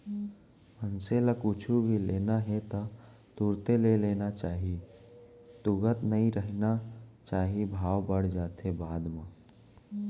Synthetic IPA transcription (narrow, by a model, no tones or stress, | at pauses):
mənseləkʊt͡ʃʰubʱileːnaɦɛt̪ɔ | t̪uɾt̪eleleːnat͡ʃaːɦi | t̪ʊɡət̪nəĩɾəɦnat͡ʃaːɦibʱaːʋbəɽ̤d͡ʒaːt̪ɦebaːd̪maː